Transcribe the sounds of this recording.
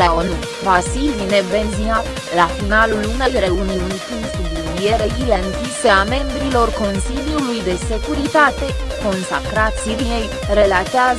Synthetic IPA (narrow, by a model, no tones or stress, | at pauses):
laonu | vasilinebenzia | lafinalulunejɾeuniunk̪unsud̪unjeɾeɡileŋkʲiseame̞mbɾilo̞rko̞nsiljulujd̪e̞sekuɾit̪at̪e | ko̞nsakɾat̪siɾinej | ɾelat̪eaz